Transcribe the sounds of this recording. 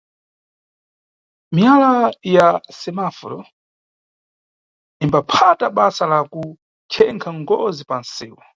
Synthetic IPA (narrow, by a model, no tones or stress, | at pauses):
mialajasɛmafɔ̰ɾɔ | imbapʰataɓasalaku | t͡ʃʰɛŋkʰaŋɡɔzipan̩siːwɔ